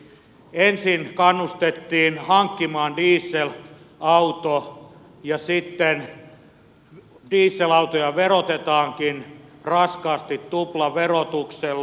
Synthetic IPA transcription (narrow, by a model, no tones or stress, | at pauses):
ensinkɑnːust̪et̪ːiːnhɑŋkːimɑːndiːsːel | ɑut̪o | jɑsit̪ːen | diːsːelɑut̪ojɑʋerot̪et̪ɑːŋkinrɑskɑːst̪it̪tuplɑʋerot̪uksel